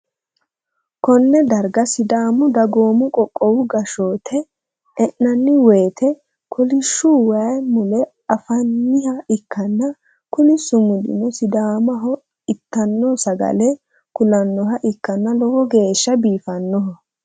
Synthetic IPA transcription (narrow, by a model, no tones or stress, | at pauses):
kɔnːɛd̪ɐɾɡɐsɪd̪aːmʊd̪ɐɡoːmʊkʼɔkʼːɔwʊɡɐʃoːt̪ʰɛː | ʔnɐnːɪweːt̪ʰɛ | kʰɔlɪʃːuwɐjmʊlɛ | ɐfɐnːɪhɐɪkːɐnːɐ | kʊnɪsʊmʊd̪ɪ̰nɔsɪd̪aːmɐɦɔ | ɪt̪ːɐnːɔsɐɡɐ̰lɛ | kʊlɐnːɔɦɐʔɪkːɐnːɐlɔhɔɡe̞ːʃːɐbiːfɐnːɔɦɔ